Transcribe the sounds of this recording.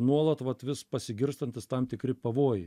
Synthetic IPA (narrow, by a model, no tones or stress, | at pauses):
nuɔlˠɐt̪ʋɐt̪ʋʲɪspɐsʲɪɡʲɪɾst̪ɐnʲt̪ʲɪst̪ɐmt̪ʲɪkɾʲɪpɐʋoːjɪ